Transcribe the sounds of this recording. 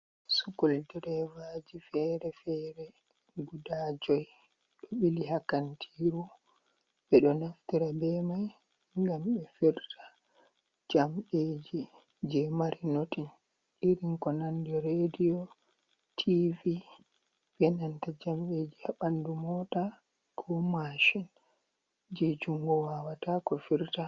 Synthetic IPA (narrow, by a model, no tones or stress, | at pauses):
sukɔldɛɾɛvad͡ʒifɛɾɛfɛɾɛ | ɡudad͡ʒɔj | ɗɔɓilihakantʰiɾu | ɓɛɗɔnaftiɾabɛmaj | ŋɡamɓɛfɛɾtḁ | d͡ʒamɓeːd͡ʒi | d͡ʒɛmaɾinotin | ʔiɾiŋkɔnandɔɾedijɔ | tʰivi | vɛnantad͡ʒamɓed͡ʒihaɓandumɔta | kʰɔmaʃin | d͡ʒɛd͡ʒuŋɡɔwawatakɔfiɾta